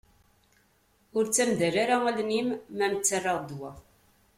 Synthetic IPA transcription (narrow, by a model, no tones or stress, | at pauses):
ʊɾt͡sːæmðæɾaɾaælnimːæmət͡sːərˤːɑʁˤd̪wæ